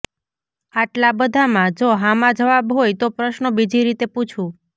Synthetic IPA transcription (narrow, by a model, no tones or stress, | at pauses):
aʈlabəd̪ʱamãd͡ʒoɦamãd͡ʒəʋabɦojt̪opɾəʃnəbid͡ʒʱiɾit̪eput͡ʃʰũ